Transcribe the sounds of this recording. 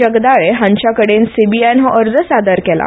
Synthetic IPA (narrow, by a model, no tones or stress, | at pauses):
əɡd̪aɭeɦãɲt͡ɕjakəɽensibianɦəʔəɾd͡zəsad̪əɾkɛla̰